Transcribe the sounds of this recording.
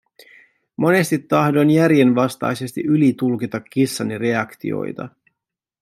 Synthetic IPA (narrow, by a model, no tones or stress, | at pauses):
mo̞ne̞st̪it̪ːɑhdo̞njæɾje̞nʋɑst̪ɑ̰jse̞st̪iʔylit̪ulkit̪ɑkːisːɑnire̞ɑkt̪ḭo̰jt̪ɑ̰